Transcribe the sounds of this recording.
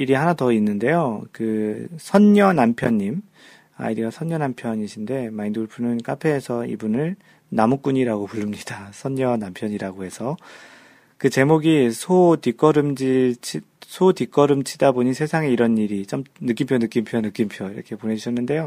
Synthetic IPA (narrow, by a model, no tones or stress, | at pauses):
iɾiɦanatʌinːɯnde̞jokɯsʰʌɲɲʌnampʰjʌɲːim | a̰iɾiɡasʰʌɲːʌnampʰjʌɲiɕʰinde̞maindoɭpʰunɯnk͈apʰe̞ːsʰʌḭbunɯɭ | namuk͈uɲiɾaɡopuɭːɯmɲidasʰʌɲːʌnampʰjʌɲiɾaɡohe̞sʰʌ | kɯt͡ɕe̞moɡisʰotik͈ʌɾɯmd͡ʑit͡ɕʰi | sʰotik͈ʌɾɯmt͡ɕʰidaboɲisʰe̞sʰaŋeiɾʌniɾit͡ɕamnɯk͈impʰjonɯk͈impʰjonɯk͈impʰjʌiɾʌ̰kʰe̞pone̞d͡ʑuɕʰʌnːɯnde̞jo